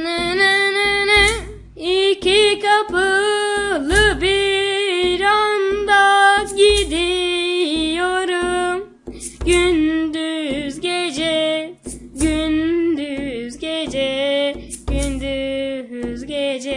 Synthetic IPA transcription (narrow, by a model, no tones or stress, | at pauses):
nɛnɛnɛnɛ | icikapɯ | lˠɯbi | ɾand̪aɟid̪i | joɾum | ɟynd̪yzɟed͡ʒɛ | ɟynd̪yzɟed͡ʒɛ | ɟ̥ynd̪y | zɟed͡ʒɛ